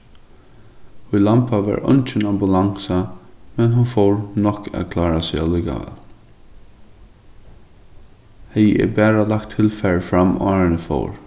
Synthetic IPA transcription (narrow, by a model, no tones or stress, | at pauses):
ʊjlampaʋa̰ɹʔɔ̰nt͡ʃɪnambʊlaŋsamɛnɦʊnfɔwɹnɔhkːa̰ðkʰlɑːɹasɛalʊjka̰vɛ̰ːl | hɛjɛ̰bæːɹalak̚t̪ʰːɪlfɛɹfɾamːɔːɹɪnəfo̰wɹ